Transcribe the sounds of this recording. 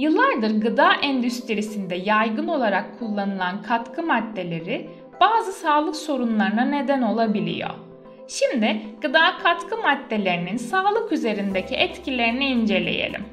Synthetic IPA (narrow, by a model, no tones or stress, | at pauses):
jɯlˠːaɾd̪ɯɾɡɯd̪aːʔɛnd̪yst̪iɾisind̪ɛjajɡɯno̞lˠaɾakʰːulˠːanɯlˠankʰat̪kʰɯmad̪ːe̞lʲe̞ɾɪ | b̥aːzɯsaːlˠɯkso̞ɾunlˠaɾnane̞d̪æno̞lˠabilʲḭjo̞̰ | ʃimd̪ɪɡ̥ɯd̪aːkʰat̪kʰɯmad̪ːe̞lʲe̞ɾininsaːlˠɯkyze̞ɾind̪ecʰiʔɛt̪cilʲe̞ɾiniind͡ʒe̞lʲe̞̰jḛlʲḭm